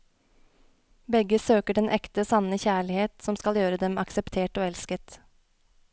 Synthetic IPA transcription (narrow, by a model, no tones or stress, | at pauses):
bɛɡəsøːkəɖɛnʔɛkt̪əsɑnəçæːɭɪheːt̪sɔmskɑljøːɾəd̪ɛmɑksɛpt̪ʰeːʈoːɛlskət̪